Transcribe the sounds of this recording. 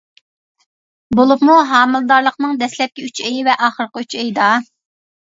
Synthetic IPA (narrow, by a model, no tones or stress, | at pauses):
bolˠupmuɦɑːmɨlˠɨd̪ɑɾlˠəqnɨŋd̪ɛslɛp̚kʲiyt͡ʃejivɛʔɑːχəɾqəyt͡ʃejd̪ɑ